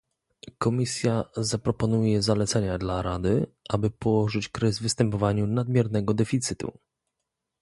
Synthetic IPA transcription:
kɔmʲisʲjazapɾɔpɔnujɛzalɛt̪sɛɲad̪laɾad̪ɘʔabɘpɔwɔʐɘt͡ɕkɾɛzvɘst̪ɛmpɔvaɲunad̪mʲjɛɾnɛɡɔd̪ɛfʲit̪sɘt̪ṵ

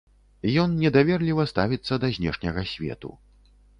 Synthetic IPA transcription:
jɔnnʲɛd̪avʲɛrlʲivɐst̪avʲit̪sːɐd̪ɐzʲnʲɛ̰ʂnʲɐɣɐsʲvʲɛ̰t̪ṵ

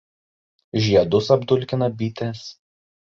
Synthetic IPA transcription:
ʒʲiɛd̪ʊsɐbd̪ʊlʲkʲɪnɐbʲiːt̪ʲes

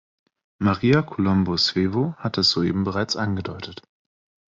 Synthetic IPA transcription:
maʁiːakʰolɔmbosv̥eːvohat̚d̥asz̥oːʔḛːbm̩bəʁaɪt͡sʔanɡədɔʏtət

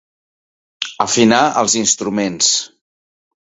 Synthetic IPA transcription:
əfinaʔə̰lˠzinst̪ɾumens

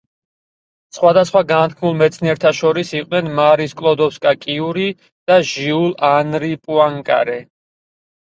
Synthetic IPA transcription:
sχwad̪asχwaɡant̪̚kʰmulˠmɛt̪sʰniɛɾt̪ʰaʃɔɾisiqʼnɛnmaɾiskʼlˠɔd̪ɔpskʼakʼiuɾi | d̪̥aʒiulˠanɾipʼuaŋkʼa̰ɾɛ

